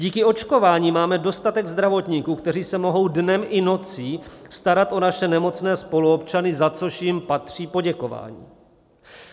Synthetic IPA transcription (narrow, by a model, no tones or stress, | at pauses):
ɟiːkɪo̞t͡ʃko̞vaːɲiːmaːmɛdo̞st̪at̪ɛɡzd̪ɾavo̞t̪ɲiːkuːkt̪ɛr̝iːsɛmo̞ɦo̞wdnɛmʔɪno̞t͡sist̪aɾat̪ʔo̞naʃɛnɛmo̞t͡snɛːspo̞luopt͡ʃanɪzat͡so̞ʃjɪmpat̪r̝̥iːpo̞ɟɛko̞va̰ːɲḭː